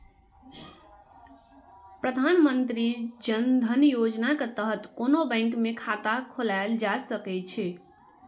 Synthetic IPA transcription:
pɾəd̪ʱanmənt̪ɾid͡ʒənd̪ʱənjod͡ʒnaket̪əɦət̪konobə̃ɪŋkmekʰat̪akʰolaeld͡ʒasəkɛt͡ʃʰɛ

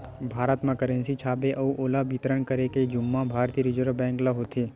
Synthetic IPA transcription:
bʱaːɾət̪mãkəɾə̃nsit͡ʃʰaːbeʔɐuʔoːlabit̪ɾəɳkəɾeked͡ʒʊmːãbʱaːɾt̪iɾɪd͡ʒəɾbɛ̃ːŋklaɦoːt̪ʰeː

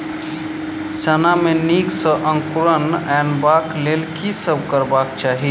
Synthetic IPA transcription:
sənameniksə̃ʔə̃ŋkuɾənɛnbaklelkisəb̚kəɾbakt͡ʃaːɦi

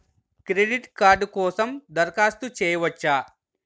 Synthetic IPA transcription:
kɾeɖiʈkaːɾɖkɔːsɐmd̪ɐɾkaːst̪ut͡ʃɛːjɐʋɐt͡ʃːaː

